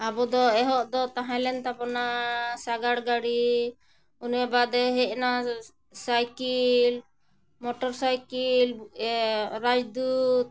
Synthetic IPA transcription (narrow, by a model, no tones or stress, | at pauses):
abɔd̪ɔɛɦɔʔd̪ɔt̪aɦãlɛnt̪abɔnasaɡaɽɡaɽi | unɛbad̪ɔɦɛʔ̚na | sajkil | mɔʈɔɾsajkilbuɛɾad͡ʒd̪ut̪̚